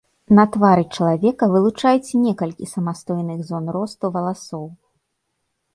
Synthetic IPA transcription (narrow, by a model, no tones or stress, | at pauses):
nɐt̪vaɾɨt͡ʂɐlˠavʲɛkɐvɨlˠut͡ʂajut͡sʲnʲɛkɐlʲkʲisɐmast̪ɔjnɨɣzɔnrɔst̪uvɐlˠasɔw